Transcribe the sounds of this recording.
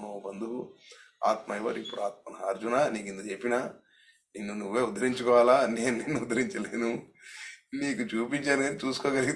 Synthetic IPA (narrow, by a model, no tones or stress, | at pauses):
nobɐnd̪ukua̰ːt̪̚mɐjʋɐ̰ɾipːuɽuaːt̪̚mɐnɐɦaːɾd͡ʒunaːniːkind̪ɐt͡ʃe̞pːinaː | ninːunuʋːe̞ːud̪ɐɾiɲt͡ʃukɔːʋaːlaːne̞ːnunenːuud̪ɐɾiɲt͡ʃɐleːnu | niːkut͡ʃuːpiɲt͡ʃaːnɡɐnit͡ʃuːsu̥koːɡɐliɡi